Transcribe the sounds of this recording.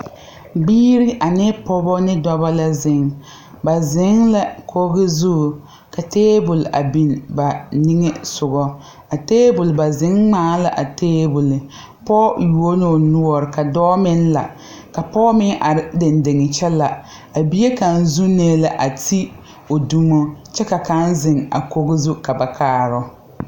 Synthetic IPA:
biː˦ɾi˦ʔa˨nɪ˦pɔ˦bɔ˦nɪ˦dɔ˦ba˦la˦zɪ˨ŋ | ba˨zɪ˨˦ŋla˨kʰo˦ɣɪ˦zu˦˨ | ka˨teː˦bʊ˨lʔa̰˨bi˨nba˨ni˦ŋe˦sʊ˨ɣɔ˦ | a˨teː˦bʊ˨lba˨zɪ˨˦ŋŋ͡maː˦la˨ʔa˨teː˦bʊ˨lɪ˨ | pɔ˦ju˨o˦no˨nu˦ɔ˨ɾɪ˨ka˨dɔː˦mɪ˦nla̰˨ | ka˨pɔː˦mɪ˦ŋʔa˨ɾɪ˦dɪ˨ndɪ˨ŋɪ˨t͡ʃɛ˦la˨ | a˨bi˦e˦ka˨n˦zu˦neː˦la˨ʔa˨tʰi˦ | o˨du˦mo˦t͡ʃɛ˦ka˨ka˦nzɪ˨ŋa̰˨ko˦ɣɪ˦zu˦ka˨ba˨kʰaː˨˦ɾɔ˦

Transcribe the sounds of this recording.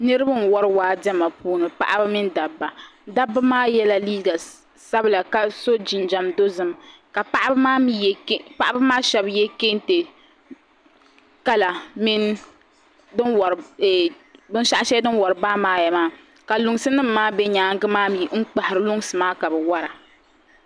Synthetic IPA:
nɨ˦ɾɨ˦ba˦n˨wɔ˦ɾɨ˦waː˦dɛ˦ma˨puː˦nɨ˨pa̰˦ʔa˦bɨ˦mɪ˦n˦da˨bːa˨da˦bːa˦maː˦jɛ˦la˦liː˦ɡa˨ | sa˦bɨ˦la˨ka˦so˦d͡ʒi˨nd͡ʒa˨mdo˦zɨ˨m | ka˨pa˦ʔa˦bmaː˦mi˦kpa˦ʔa˦bɨ˦maː˦ʃɛ˦bjɛ˦ke˦n˦te˨ | ka˦la˨mi˦n | dɨ˦nwa˨ɾɛ˨ | bɨ˦n˦ʃa˦ʔa˦ʃɛ˦dɨ˦nwa˨ɾɨ˨baː˦maː˦jɛ˨maː˦ | ka˨lʊ˨ŋ˦sɨ˦nɨ˦m̩ː˦aː˦bɛ˦ɲaː˦ŋ˦ɡɨ˦maː˦mi˨ŋ̩˦k͡pa˨hɪ˨ɾɨ˨lʊ˦ŋ˦sɨ˨maː˦ka˨bɛ˨wa˦ɾa˨

